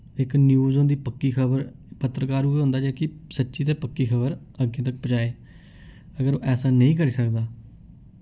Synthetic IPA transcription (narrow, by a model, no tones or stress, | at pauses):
ɪknjuːzõːd̪iːpəkːiːkʰəbəɾpət̪ɾəkaːɾueːɦʊ̃nd̪aːd͡ʒeːkɪsətːʃiːt̪eːpəkːiːkʰəbəɾ | əɡːẽːt̪ək̚pət͡ʃaːeː | əɡəɾoːʔɛːsaːnə̃ĩːk̬əɾiːsəkd̪aː